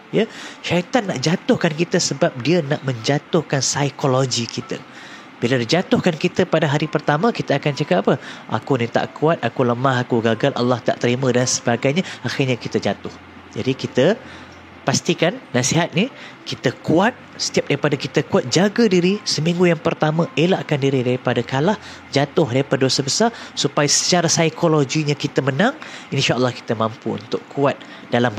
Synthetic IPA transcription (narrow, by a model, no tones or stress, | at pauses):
jəʃait̪anːaʔd͡ʒat̪ʊhkankit̪əsəbap̚diənaʔmə̃ɲd͡ʒat̪ʊhkansajkoloɡikit̪ə̰ | biladid͡ʒat̪ʊhkankit̪əpadaɦaɾipərt̪amə̃kit̪əakant͡ʃakap̚apəʔa̰kunit̪a̰ʔkuat̪̚akuləmaɦakuɡaɡalʔa̰lːɑht̪a̰ʔt̪əɾimə̃dansəbaɡajɲãaxirɲãkit̪əd͡ʒat̪ʊh | d͡ʒa̰dikit̪ə | past̪ikannãsiɦat̪̚ni | kit̪əkuat̪̚ | sə̥t̪iap̚daɾipadakit̪əkuat̪̚d͡ʒaɡədiɾisəmĩŋɡujaŋpərt̪amãelaʔkandiɾidaɾipadakalah | d͡ʒat̪ʊhdaɾipadadosabəsarsupajasə̥t͡ʃaɾasajkʰoloɡiɲãkit̪əmənãŋinʃaʔəlːɑhki̥t̪əmãmpuṵnt̪ʊkuat̪̚ | d̥alambə